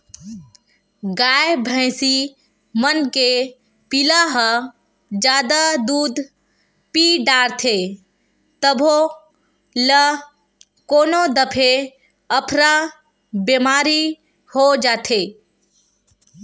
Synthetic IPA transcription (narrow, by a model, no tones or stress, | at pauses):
ɡaːjbʱə̃ːsi | mənke | pɪlaɦə | d͡ʒjaːd̪ad̪uːd̪ | piɖaːɾt̪ʰe | t̪əbʱo | lə | koːnod̪əpʰe | əpʰɾa | bemaːɾi | hod͡ʒaːt̪ʰeː